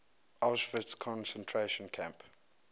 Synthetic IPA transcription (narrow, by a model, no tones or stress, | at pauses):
ʔalʃfədskʰɔ̃nsɛ̃ntʰɹeʃə̃nkʰæ̃mp